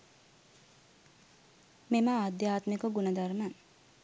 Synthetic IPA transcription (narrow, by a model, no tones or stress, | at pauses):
memaːd̪jaːt̪mekəɡunɐd̪aɾman